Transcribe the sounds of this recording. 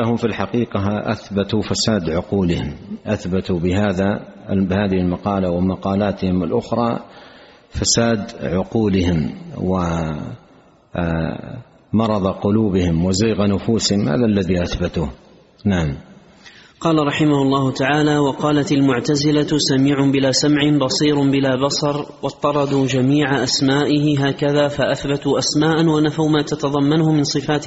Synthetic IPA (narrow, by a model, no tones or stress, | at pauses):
ahʊmfilħaqiːqɑʔa̰θbat̪ufasaːd̪ʕʊquːlɪhɪmʔaθbat̪ubɪɦaːðabɪhaːðɪhɪlmɑqɑːlawɪmɑqɑːlaːt̪ɪhɪmɪlʔʊxɾˤɑ̰ː | fasaːd̪ʕʊquːlɪhɪmwɪ | mɑɾˤɑðˤqʊluːbɪhɪmwɪziːɣanʊfuːsɪhɪmha̰ːðalːaðiʔaθbat̪uː | naʕam | qɑːlaɾˤɑħɪmahʊlˤːɑːhʊt̪aʕaːlaːwɑqɑːlat̪almʊʕt̪azɪlatsamiːʕʊbɪlaːsamʕɪbɑsˤiːɾbɪlaːbɑsˤɑɾˤ | wɑt̪ˤːɑɾˤɑd̪uːd͡ʒamiːʕaʔasmaːʔɪɦɪɦaːkaðaːfaʔaθbat̪uʔasmaːʔanwanafawmaːt̪at̪ɑðˤɑmːanʊhʊmɪnsˤɨfaːt̪